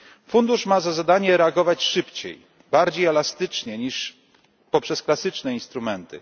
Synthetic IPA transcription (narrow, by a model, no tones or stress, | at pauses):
fund̪uʂmazazad̪aɲɛɾɛaɡɔvat͡ɕʂɘpt͡ɕḛj | baɾd͡ʑejɛlast̪ɘt͡ʂɲɛɲiʂ | pɔpʂɛsklasɘt͡ʂnɛinst̪ɾumɛnt̪ɘ̰